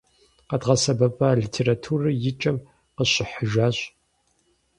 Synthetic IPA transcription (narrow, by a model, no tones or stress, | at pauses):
qɐdʁɐsɐbɐpʼaɮitʰeːɾatʰuːrɐjɪt͡ʃʼɐm | qəɕɪħəʒaːɕʼ